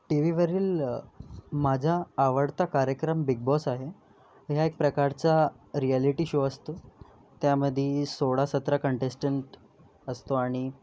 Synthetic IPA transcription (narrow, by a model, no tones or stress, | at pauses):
ʈiʋiʋəɾiːl | mad͡ʑʱaːʋəɽt̪akaɾjəkɾəmbiɡ̚bɔsaɦe | ɦjaek̚pɾəkaɾt͡sa | ɾialiʈiːɕoəst̪o | t̪jaməd̪ʱjesoɽasət̪ɾəkəɳʈesʈəɳʈ | əst̪oaɽ̃i